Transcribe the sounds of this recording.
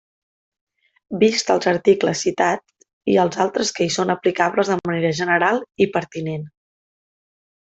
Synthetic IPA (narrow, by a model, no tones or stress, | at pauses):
bist̪əlˠzəɾt̪ikləsːit̪at͡s | ḭəlˠzalˠt̪ɾəskəisonəplikaβləzðəməneɾəʒənəɾalˠipəɾt̪inen